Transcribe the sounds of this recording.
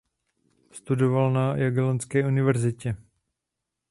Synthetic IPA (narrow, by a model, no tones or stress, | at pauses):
st̪udovalnajaɡɛlant͡skɛːunɪvɛɾzɪcɛ